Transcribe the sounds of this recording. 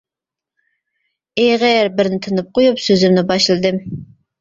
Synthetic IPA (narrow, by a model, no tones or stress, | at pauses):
eʁɛɾbɪɾnɪt̪ʰɨnɨp̚qʰojupsøzɪmnɪbɑʃlˠɨd̪ɨm